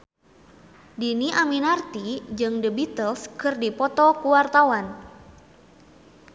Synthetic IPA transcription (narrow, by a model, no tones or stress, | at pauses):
diniʔaminart̪id͡ʒɨŋdəbit̪əlskɨrdipɔt̪ɔkuwart̪awan